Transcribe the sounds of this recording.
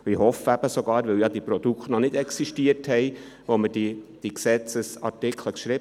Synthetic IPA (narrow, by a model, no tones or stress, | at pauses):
ihɔfəæb̥əsoɡɑːɾʋɪljɑd̥̪ipɾɔd̥̪ukχtnɔnɪdɛksiʃtiəɾthɛɪ | ʋomədid̥iksɛt͡səsɑ̰ɾtɪkʰləkʃɾi